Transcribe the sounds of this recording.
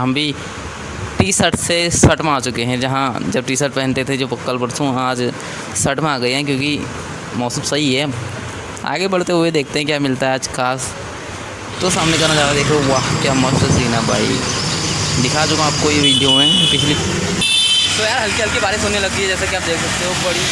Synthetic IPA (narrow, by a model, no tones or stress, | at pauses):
ɦɐmbʱi | ʈiːsəʈʰsesɐʈmẽaːt͡ʃʊkeɦɛ̃d͡ʒɐɦãd͡ʒɐb̚ʈiːsəʈ̚pɛɦɛ̃nt̪et̪ʰed͡ʒoːpɐkːəlpɐɽsũaːd͡ʒ | sɐʈmẽaːɡɐeɦɛ̃k̬jõːki | mɔːsumsɐɦiɦɛː | a̰ːɡebɐɽ̤t̪eɦʊed̪eːk̚ʰt̪eɦɛ̃kjaːmɪlt̪aɦɛaːd͡ʒkʰaːs | t̪osaːmnekɐɾnad͡ʒaːɾad̪eːkʰleoʋaɦkjaːmɐʃt̪siːnabʱa̰ːḭ | d̪ɪkʰaːt͡ʃʊɡãaːp̚koːiʋiːɖijoɛ̃ːpɪt͡ʃʰli | t̪ojaːɾɦɐlkeɦɐlkebaːɾẽsʊnːelɐɡ̚t̪iɦɛd͡ʒɛːsakiaːp̚d̪eːksɐk̚t̪eɦobɐɽi